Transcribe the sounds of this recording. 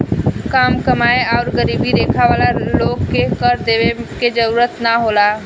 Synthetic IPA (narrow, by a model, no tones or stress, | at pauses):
kaːmkəmaːeaʊɾɡəɾiːbid̪eːkʰaʋaːlaloːɡkekəɾd̪eʋeked͡ʒəɾuːɾət̪naɦoːla